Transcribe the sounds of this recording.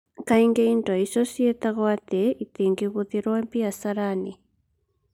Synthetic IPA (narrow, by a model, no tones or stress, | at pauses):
kaiŋɡɛindaisɔsjet̪aɣwat̪ɛit̪eŋɡiɣuðiɾwampiasaɾani